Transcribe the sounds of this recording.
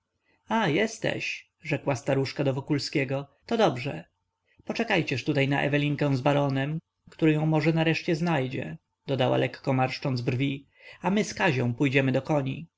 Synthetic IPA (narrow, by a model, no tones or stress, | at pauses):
ajɛst̪ɛ̰ɕ | ʐɛkwast̪aɾuʂkad̪ɔvɔkulskʲɛɡɔt̪ɔd̪ɔbʐɛ̰ | pɔt͡ʂɛkajt͡ɕɛʂt̪ut̪ajnaʔɛ̰vɛlʲiŋkɛ̃w̃zbaɾɔnɛm | kt̪uɾɪjɔ̃w̃mɔʐɛnaɾɛʂt͡ɕɛznajd͡ʑɛ̰ | d̪̥ɔd̪awa̰lɛkːɔmaɾʂt͡ʂɔnd̪zbrvʲi | amɘskaʑɔ̃w̃pujd͡ʑɛmɘd̪ɔkɔɲḭ